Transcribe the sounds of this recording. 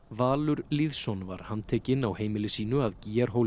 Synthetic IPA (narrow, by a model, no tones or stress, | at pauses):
vaːlʏɾliðsɔnva̰ɾ̥hant̪ʰɛːcɪnawheːjmɪlɪsiːnʏaðciːaɾ̥ɦoːw